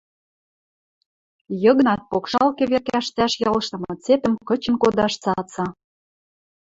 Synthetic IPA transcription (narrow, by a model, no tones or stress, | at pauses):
jɤ̆ɣnɑt̪̚pokʃɑlkĕβerkæʃt̪æʃjɑlɤʃt̪ɤ̆mɤ̆t͡set̪ə̆mkɤ̆t͡ɕə̆nkod̪ɑʃt͡sɑt͡sɑ